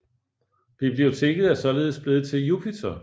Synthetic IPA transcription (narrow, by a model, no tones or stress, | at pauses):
b̥ib̥lioʊt͡sʰe̝ɡ̥ð̞̩ˠæsɒ̽le̝ːð̞̩ˠsb̥le̝ːð̞̩ˠt͡sʰe̝jupʰit͡sʰɐ